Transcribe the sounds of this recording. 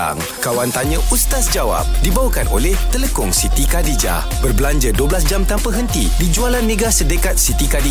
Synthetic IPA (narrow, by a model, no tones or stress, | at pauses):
a̰ŋ | kawant̪aɲə̃ʔust̪asd͡ʒawa̰p̚dibawəkanʔo̰lɛht̪ələkʊŋsit̪ikadid͡ʒa̰ | b̥ərbəlaɲd͡ʒəduəbəlas̬d͡ʒamt̪ampəɦənt̪idid͡ʒualanːə̃ɡasədəkat̪̚sit̪ikadi